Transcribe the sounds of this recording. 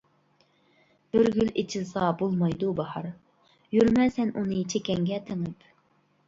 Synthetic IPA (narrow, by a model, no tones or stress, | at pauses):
høɾɡʲylet͡ʃʰilˠsɑbolˠmɑjd̪ubɑhɑɾ | jyɾmɛsɛnunɨt͡ʃʰekʲɛŋɡʲɛt̪ʰeŋɪp